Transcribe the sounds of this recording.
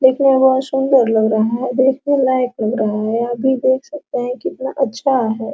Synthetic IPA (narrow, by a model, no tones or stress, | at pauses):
leːkʰneʋoasʊ̃nd̪əɾlɐɡɾɐɦaɦɛd̪eːkʰnelaɪklɐɡɾɐɦaɦɛɐbʱid̪eːk̚ʰsɐk̚t̪eɦɛ̃kiɪt̪naʔɐtːʃʰaɦɛː